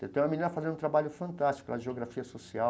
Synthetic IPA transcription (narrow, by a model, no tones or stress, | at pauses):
ḛwt̪ẽjũmɐmĩnĩnɐfazẽɾũt̪ɾabaʎʊfɐ̃nt̪ast͡ʃi̥kʊnɐʒeoɡɾafiɐsosia